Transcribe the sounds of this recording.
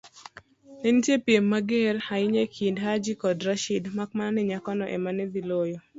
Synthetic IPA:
nɛntjepjemːaɡeɾaɪɲekʰindɦad͡ʒikɔdɾaʃidmak̚mannɛɲakɔnɔʔɛ̰manɛd̪ilojo

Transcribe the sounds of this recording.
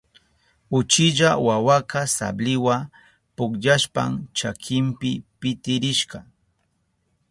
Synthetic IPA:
ʊt͡ʃɪʎawawakasa̰blɪwa | pʊkʎaʃpa̰mt͡ʃakʰɪmpɪpɪt̪ɪɾɪʃɢɑ

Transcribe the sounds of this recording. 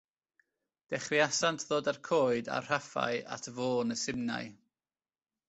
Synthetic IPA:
d̥ɛχriasantʰðoːdarkʰoːɨda̰rr̥afa̰ɨa̰tʰvoːnəsɪmna̰j

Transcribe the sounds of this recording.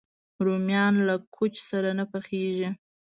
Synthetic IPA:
ɾomjɑnlakʰot͡ʃsaɾanapaxeʒi

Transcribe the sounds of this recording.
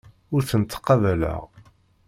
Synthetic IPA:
ʊɾθənt̪ːə̥qːɑvælæ̰ʁ

